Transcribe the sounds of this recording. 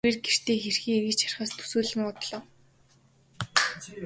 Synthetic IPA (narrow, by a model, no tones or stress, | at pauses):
eːrɡer̥t̪ʰeːxerxiːŋerɣɘ̆t͡ɕt͡ɕʰḁr̆χaːst̪ʰu̥suːɮɘ̆mɔt̪ɮɞ̆ːw